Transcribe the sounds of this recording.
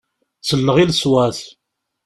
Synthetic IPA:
t͡sːəlːəʁilswæθ

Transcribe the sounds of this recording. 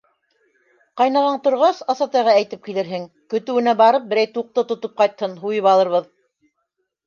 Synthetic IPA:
qɑjnɑʁɑɴt̪ŏɾʁɑsɑsɑt̪ɑjʁɑæjt̪ɘp̚kilɘ̆ɾɦɘŋ | kɵ̆t̪ɘ̆wɘ̆næbɑɾɤp̚bɘ̆ɾæjt̪uq̚t̪ɤt̪ŏt̪op̚qɑjt̪hɤnɦujɤpɑlˠɤ̆ɾβɤð

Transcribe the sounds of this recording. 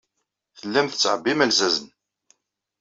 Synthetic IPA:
θəlːæmθə̥t͡sːʕəbːimælzæzən

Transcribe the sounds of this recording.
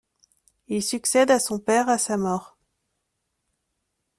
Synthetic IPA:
ilsyksɛd̪asɔ̃pɛʁasamɔːʁ

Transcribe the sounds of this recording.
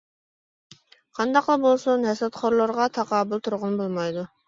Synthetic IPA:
qʰɑnd̪ɑqlˠəbolˠsunɦɛsɑt̪χʰoɾlˠəɾʁɑt̪ʰɑqɑːbulˠt̪ʰuɾʁʊnbolˠmɑjd̪u

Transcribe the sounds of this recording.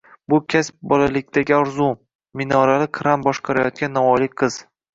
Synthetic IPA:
bʊkʲʰasp̚bɒlalɪkʲt̪ʰaɡʲɪɒɾzu | mɪnɒɾalɪqʰɾambɒʃqʰɑɾajɒt̪̚kʲanːɒvɒjlɪk̚ʲqʰɨz̥

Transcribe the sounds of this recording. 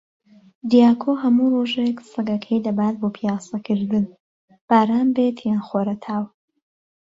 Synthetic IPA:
d̪ijaːkʰoːɦɐmuroːʒeksɨɡɐkʰɐjd̪ɐbaːt̪̚boːpʰijaːsɐkʰɨɾd̪ɨn | b̥aːɾaːnbe̞t̪ʰjaːnxoɾɐt̪ʰaːw

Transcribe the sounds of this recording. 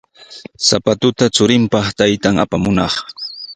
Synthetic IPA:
sapat̪ʊt̪at͡sʊɾɪmpɑχt̪ajt̪aŋa̰pamʊnɑχ

